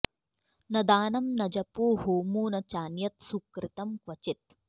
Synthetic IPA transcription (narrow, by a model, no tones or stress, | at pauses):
nɐd̪aːnɐmnɐd͡ʒɐpoːɦoːmuːnɐt͡ʃaːnjɐt̪sukɾɪt̪ɐmkʋɐt͡ʃit̪̚